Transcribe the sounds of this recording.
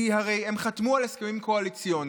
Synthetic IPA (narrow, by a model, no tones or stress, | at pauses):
ihaʁe̞je̞mχat̪mualeskemimkoalit͡sijo̞n